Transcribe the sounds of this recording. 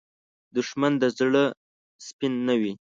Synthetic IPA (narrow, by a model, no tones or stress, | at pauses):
d̪ʊʃmand̪əzɽə | spinːawi